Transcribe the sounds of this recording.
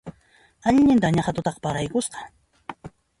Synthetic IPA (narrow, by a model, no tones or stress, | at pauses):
aʎɲɪnt̪aɲaχat̪ʊt̪ɑqpaɾajkʊsqɑ̥